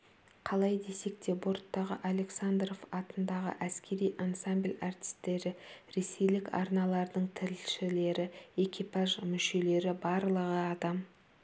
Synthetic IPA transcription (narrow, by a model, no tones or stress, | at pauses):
qʰɑlˠɑjd̪e̞se̞kt̪e̞bo̞ɾt̪ːɑʁəʔalʲe̞ksand̪ro̞vɑt̪ənd̪ɑʁə̰ʔæskʲe̞ɾijʔansamblʲart̪ʲi̥st̪ːe̞ɾɪɾe̞se̞jlɪkɑ̰ɾnɑlˠɑɾd̪əɴt̪ʰɪɾɪlʃɪle̞ɾɪe̞kʲipɑʒmʏʃe̞le̞ɾɪbɑɾlˠəʁəɑd̪ɑm